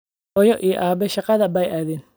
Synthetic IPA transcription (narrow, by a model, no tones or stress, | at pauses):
ɔjɔʔijɔ̰ʔaːbɛʃɑqɑðɐbɐjaːðɛn